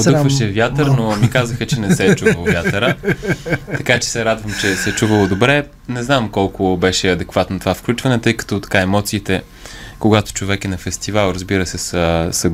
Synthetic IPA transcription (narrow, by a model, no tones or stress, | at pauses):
od̪ɤxvəʃɛvjat̪əɾnomikazəxət͡ʃɛnɛsɛt͡ʃuəlˠovʲjat̪əɾə | t̪ɐkat͡ʃɛ̥sɛɾad̪vəmt͡ʃɛsɛt͡ʃuvəlˠod̪obɾɛ | nɛznamkɔlˠkobɛʃɛɐd̪ɛkvat̪not̪ovafklʲut͡ʃvɐnɛt̪ɤjkə̥t̪ot̪ɐ̥kaɛmɔt̪siːt̪ɛ | koɡat̪o̥t͡ʃovɛkɛnɐfɛst̪ivalˠɾəzbiɾəsɛsəsɐ